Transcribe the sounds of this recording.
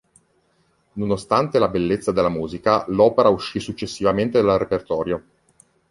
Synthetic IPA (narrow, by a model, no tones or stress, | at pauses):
nonost̪ant̪elabelːet̪sːad̪elːamuːzikalɔːpeɾauʃːisut͡ʃːesːivament̪ed̪alrepert̪ɔːɾjo